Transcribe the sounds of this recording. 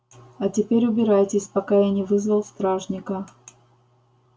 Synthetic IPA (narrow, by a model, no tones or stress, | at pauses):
ɐtʲɪpʲeɾʲʊbʲɪɾajtʲɪsʲpɐkajanʲɪvɨzvəlˠst̪ɾaʐnʲɪkə